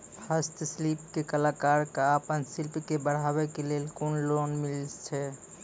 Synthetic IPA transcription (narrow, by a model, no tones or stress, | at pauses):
pʰəst̪sliːpkekəlaːkaːɾkaəpənsɪlpkebəɽ̤ɦaːwekelelkunloːnmɪlt͡ʃʰɛ